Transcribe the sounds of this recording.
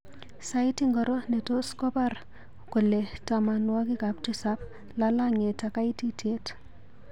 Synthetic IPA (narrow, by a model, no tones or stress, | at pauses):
sajtiŋɡɔɾɔnɛtɔskɔpar | kʊlɛtamanwakɪkap̚tisap̚ | lalaŋetakaititet